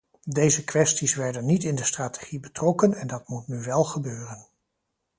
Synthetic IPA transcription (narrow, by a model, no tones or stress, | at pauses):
dejzəkʋɛstisʋɛɹdənːitɪndəstraːte̥χibətrɔkənɛndɑtmutnyʋɛlˠχəbøːrən